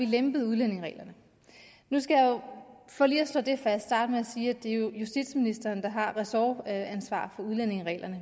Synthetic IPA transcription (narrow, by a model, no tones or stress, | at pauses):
ʋilemb̥ð̩ˠuðˠlen̰e̝ŋʁɛ̰ːlɐnə | nusɡ̥æjɑ̈ofɒ̽ːliːɐsl̥ɔ̰̽ːd̥e̝fæ̥sd̥ɑ̈ːd̥əmeæsiːæd̥e̝jojusd̥id̥sminisd̥ɐːnd̥ɑ̈ɦɑ̈ʁɛsɒænsʋɑ̰̈ːfɒ̽uð̞ˠlene̝ŋʁɛ̰ːlʔɐnə